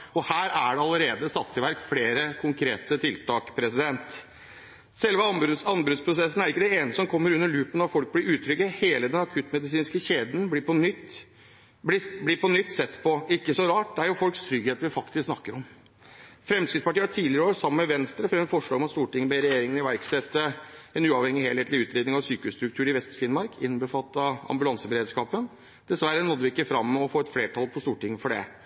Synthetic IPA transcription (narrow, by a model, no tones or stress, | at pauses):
ɔhæːɾæɖɛɑləɾeːd̪əsɑt̪ʰːɪʋæɾkfleːɾəkʰʊŋkʰɾeːt̪ət̪ʰɪlt̪ɑːkpʰɾɛsɪd̪ɛnt̪ | sɛlʋəɑbɑnbɾʉt̪spʰɾʊsɛsːn̩æɾɪkːəd̪ɛeːnəsɔmkʰɔmːəɾʉnːəɭʉːpənɑt̪fɔlk̚blɪɾʉːt̪ʰːɾʏɡəheːləd̪ɛnɑkʰʉt̪ːmɛd̪ɪs̬iːnskəɕeːd̪n̩bliːpʰɔnʏt̪ː | bɪblɪːpʰɔnʏt̪ːsɛt̪ːpʰɔɪkːəsɔɾɑːʈ̚d̪ɛæɾjʊfɔlkst̪ʰɾʏɡheːt̪əʋɪfɑkt̪ɪsksnɑkːəɾɔm | fɾɛmskɾɪt̪spɑʈiːʈ̪ʰiːlɪɾəoːɾsɑmːəməʋɛnst̪ɾəfɾɛmfɔʂɭɑːɡɔmɑt̪st̪uːʈɪŋːəbeɾɛjeːɾɪŋənɪʋæɾksɛt̪ːəɛnʉːɑʋhɛŋːɪheːlheːt̪lɪʉːt̪ɾeːd̪nɪŋɑʋsyːkəʉst̪ɾʉk̚t̪ʰʉːɾɪʋɛst̪fɪnmɑɾkʰɪnːbəfɑt̪ːəɑ̰mbʉlɑnsəbəɾeːd̪ʂkɑːpən | d̪̥ɛsʋæɾːənɔd̪ːəʋɪɪkːəfɾɑmːəɔfoːɛt̪fleːʈʰɑlpʰɔst̪uːʈɪŋːəfɔɖɛ̰